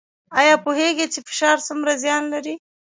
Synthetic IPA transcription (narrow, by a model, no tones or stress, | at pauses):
ɑjɑpoheɡet͡ʃefɪ̥ʃɑɾsʊmɾazjɑnlaɾi